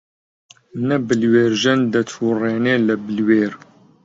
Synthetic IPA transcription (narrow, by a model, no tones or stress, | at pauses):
nɐbɨlweːɾʒɛnd̪ɐt̪ʰuːreːneːləbɨlweːɾ